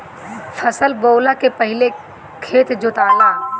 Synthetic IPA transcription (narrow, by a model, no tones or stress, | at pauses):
fʰəsəlboːlakepɐɦɪle | kʰeːt̪d͡ʒʊt̪aːlaː